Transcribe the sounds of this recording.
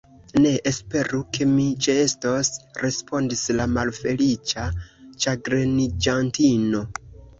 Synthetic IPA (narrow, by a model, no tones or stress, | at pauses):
ne̞ʔespe̞ɾuke̞mit͡ʃeestosɾe̞spʰo̞ndislamalfe̞lit͡ʃat͡ʃaɡɾenid͡ʒantino̞